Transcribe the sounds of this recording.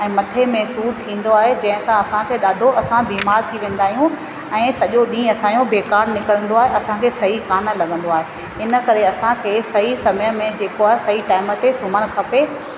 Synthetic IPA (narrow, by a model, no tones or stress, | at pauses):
ɛ̃ːmɐt̪ʰemɛ̃ɦsuːɾt̪ʰĩːn̆d̪oaːɦed͡ʑɐ̃ɦɪ̃sãɐsãkʰeːɗaːɖʱoʔɐsãbiːmaːɾt̪ʰiʋẽːn̆d̪aːɦijũ | ɛ̃ːsɐʄoɗĩːɐsãːjõbeːkaːɾnɪkəɽə̃nd̪oaːɦeɐsãkʰeːsɐɦikaːnə̆lɐɠʱə̃nd̪oaːɦe | ɪnə̆kɐɾeɐsãkʰeːsɐɦisɐməjəmẽd͡ʑeːkoaːɦesɐɦiʈaːɪmət̪esʊməñ̆kʰɐpe